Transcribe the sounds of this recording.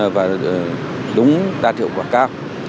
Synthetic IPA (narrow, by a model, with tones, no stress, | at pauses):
vaː˨˩ | ɗʊ˨˦ŋ͡mɗaː˧t̪ʰḭ˧˨ə˨wkwaː˧˩kaː˧˩w